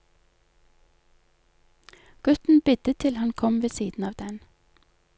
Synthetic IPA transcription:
ɡ̥ʉt̪n̩bɪd̪̥ət̪ʰɪlhɑnkʰɔmʋeːsiːd̪n̩ɑːʋd̪ɛn

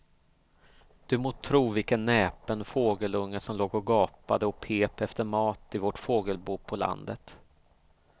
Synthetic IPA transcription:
d̪̥ɵmoːt̪ʰɾuːvɪlkənːɛːpənfoːɡəlɵŋːəʂɔmloːɡɔɡɑːpad̪əɔpʰeːpɛft̪əɾmɑːt̪ɪvɔʈfoːɡəlbuːpʰɔla̰nd̪ət̪

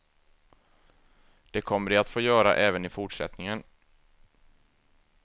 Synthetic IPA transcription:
d̪̥ɛkʰɔmːəɖɪat̪foːjœːɾa̰ʔɛːvənɪfʊʈʂɛ̰t̪nɪŋən

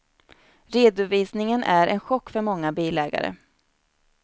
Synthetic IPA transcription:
ɾeːd̪ʊviːsnɪŋənʔæɾɛnɧɔkːfœɾmɔŋːabiːlɛːɡa̰ɾə̰

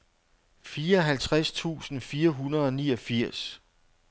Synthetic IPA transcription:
fiːɐɦælt͡sʰʁast͡sʰṵːsn̩fiːɐɦunɐð̞ˠɒ̽niːɒ̽fiɐ̰s

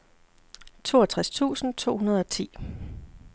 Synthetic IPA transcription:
t͡sʰo̝̰ːɐt͡sʰʁast͡sʰṵːsn̩t͡sʰo̝̰ːhunɐð̞ˠɒ̽t͡sʰḭː

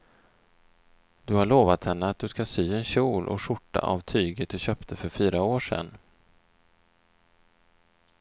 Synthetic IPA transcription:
d̪̥ɵhaɭoːvat̪hɛnːəat̪̚d̪ɵskasyːɛnɕuːlʔɔ̰ʂʊʈːa̰ʔa̰vt̪ʰyːɡəd̪ɵɕœːpt̪ʰəfœɾfyːɾaoːʂɛ̰nː

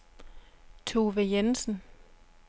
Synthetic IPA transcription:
t͡sʰo̝ʋejensn̩

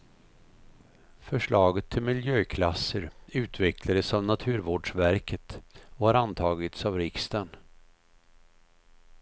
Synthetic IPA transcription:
fœʂɭɑːɡət̪ʰːɪlmɪljøːkʰlasəɾʉ̟ːt̪vɛkʰlad̪əsavnat̪ʰʉ̟ːɾvoːɖʂvæɾkət̪ɔhaɾant̪ʰɑːɡət̪savɾɪkst̪ən

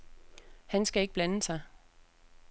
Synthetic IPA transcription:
hænsɡ̥æe̝ɡ̥əb̥lænəsɑ̈ɪ

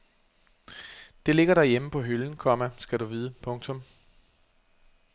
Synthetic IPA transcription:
d̥e̝le̝ɡ̥ɐɾæjeməpʰɒ̽ɦyln̩kʰɒ̽mæsɡ̥æɾuʋiːðˠəpʰɔ̽ŋt͡sʰɔ̽m

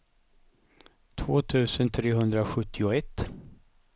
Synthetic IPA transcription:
t̪ʰvoːt̪ʰʉ̟ːsənt̪ʰɾeːɦɵnd̪ɾaɧɵt̪ʰːɪʊɛt̪ː

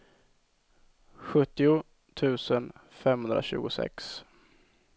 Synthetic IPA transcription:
ɧɵt̪ːɪʊ | t̪ʰʉ̟ːsənfɛmhɵnd̪ɾa̰ɕʉ̟ːɡʊsɛ̰ks

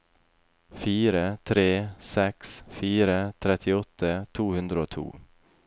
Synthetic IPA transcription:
fiːɾət̪ʰɾeːsɛksfiːɾət̪ʰɾɛt̪ʰːɪɔt̪ʰːət̪ʰuːhɵnd̪ɾaɔt̪ʰṵː

